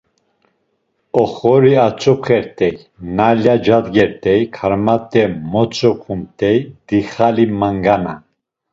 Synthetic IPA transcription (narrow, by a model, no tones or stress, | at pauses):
ɔχɔɾiat͡sʼɔpχɛɾt̪ʼɛj | naljad͡ʒad̪ɡɛɾt̪ʼɛjkʰaɾmat̪ʼɛmɔt͡sʼɔpʰumt̪ʰʼɛjd̪̥iχalimaŋɡana̰